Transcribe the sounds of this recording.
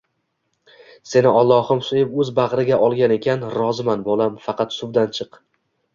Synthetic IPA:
se̞nɪɒlˠːɒhɪmsʊjɪpɵzbaʁɾɪɡʲaʔɒlˠɡʲane̞kʲʰanɾɒzɪmanbɒlˠamfɑqʰɑt̪sʊbd̪ant͡ʃʰɨq

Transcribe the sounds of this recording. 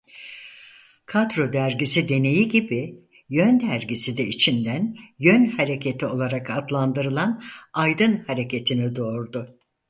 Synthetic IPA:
kʰad̪ɾo̞d̪æɾɟisid̪e̞ne̞jiɟibi | jø̞nd̪æɾɟisid̪ɛit͡ʃʰind̪ænjønhaɾe̞cʰe̞t̪ʰio̞lˠaɾakad̪lˠand̪ɯɾɯlˠanajd̪ɯnhaɾe̞cʰe̞t̪ʰinid̪o̞ːɾd̪ʊ

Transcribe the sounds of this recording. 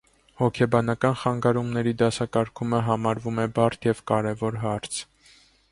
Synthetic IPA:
hɔkʰɛbɑnɑkɑnχɑŋɡɑɾumnɛɾid̪ɑsɑkɑɾkʰuməɦɑmɑɾvumɛbɑrt̪ʰjɛvkɑɾɛvɔɾɦɑɾt͡sʰ

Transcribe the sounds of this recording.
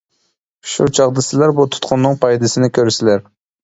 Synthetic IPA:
ʃut͡ʃʰɑʁd̪ɨsɪlæɾbut̪ʰu̥t̪̚qʰʊnːɨŋpʰɑjd̪ɨsɪnɪkʲʰøɾsɪlæɾ

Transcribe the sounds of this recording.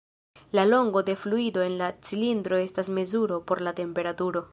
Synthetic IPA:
lalo̞ŋɡo̞de̞fluido̞e̞nlat͡silindɾo̞e̞stasme̞zuɾo̞po̞ɾlate̞mpe̞ɾatuɾo̞

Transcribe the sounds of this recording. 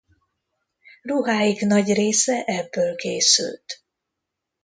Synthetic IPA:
ruɦaːjiɡnɒɟreːsɛʔɛbːøːlkeːsy̰lt̪

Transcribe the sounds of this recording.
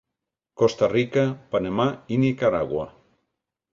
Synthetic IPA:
kost̪arikapanamainikaɾaɣwa̰

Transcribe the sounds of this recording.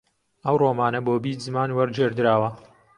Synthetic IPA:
ɐwroːmaːnɐboːbiːtzɨmaːnwɐɾd͡ʒeːɾd̪ɨɾaːwɐ

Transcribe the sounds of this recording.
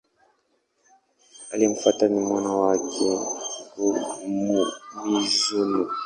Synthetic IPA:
alim̩fatanimwanawakʰɛkumumizunu

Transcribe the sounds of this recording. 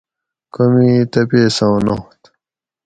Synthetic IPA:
komit̪ɐpesɐwnoht̪

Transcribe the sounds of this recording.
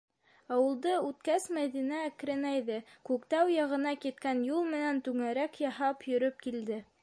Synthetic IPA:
ɑwɤ̆lˠd̪ɤʉt̪kæsmæðinæːkɾɘ̆næjðɘkʉkt̪æwjɑʁɤ̆nɑkit̪̚kænjulˠmɘ̆nænt̪ʉŋæɾækjɑɦɑpjɵ̆ɾɵp̚kild̪ɘ

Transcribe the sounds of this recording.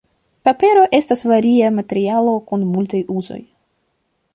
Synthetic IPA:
pape̞ɾo̞ʔe̞stasvaɾiamate̞ɾialo̞kunmultajʔuzo̞̰j

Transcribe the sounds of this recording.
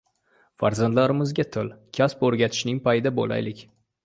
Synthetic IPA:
faɾzand̪laɾɪmɪzɡʲat̪ʰɪlkʲʰaspɵɾɡʲat̪ʰɪ̥ʃnɪŋpʰajɪd̪abola̰jlɪkʲ

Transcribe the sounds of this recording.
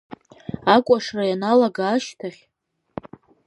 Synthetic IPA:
akʷʼaʂrajanalaɡaːʃtʰaχʲ

